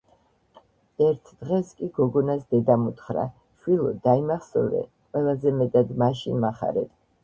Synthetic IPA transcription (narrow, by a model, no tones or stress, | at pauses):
ɛɾt̪ʰd̪̥ʁɛskʼiɡɔɡɔnasd̪ɛd̪amut̪ʰχɾa̰ | ʃwilˠɔd̪aimaχsɔvɾɛ̰qʼwɛlˠazɛmɛt̪ʼad̪maʃinmaχa̰ɾɛt̪ʰ